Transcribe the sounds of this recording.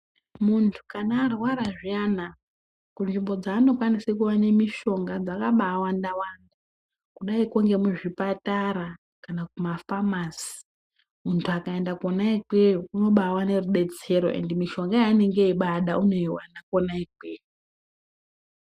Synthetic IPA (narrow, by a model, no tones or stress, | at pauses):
muntʰu̥kanaːrwaɾaʐiana | kunʐimbo̞d͡zaːno̞kwanisekuʋanemiʃo̞ŋɡad͡zakaɓaːwandawanda | kuɗaikuŋɡe̞muʐipataɾa | kanakumafamasi̥ | muntʰuakaendakonaikeuno̞ɓawane̞ruɗe̞d͡ze̞ɾo̞̰ʔe̞̰ndimiʃo̞ŋɡajaːne̞ŋɡeiɓaɗaʔuno̞iwanakonaike